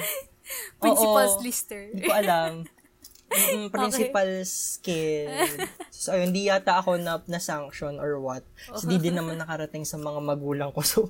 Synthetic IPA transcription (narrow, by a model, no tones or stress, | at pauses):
ʔoːʔoist̪ɛd̪ikoʔɐlam̩ | pɾɪnsɪpalskɪlsoɪnd̪ijaːt̪ɐʔɐko̞nɐnɐsaŋkʃonʔɔɹwɐt̪̚snd̪id̪ɪnːɐmanːɐkɐɾɐt̪ɪŋsɐmɐŋamɐɡuːlɐŋkoso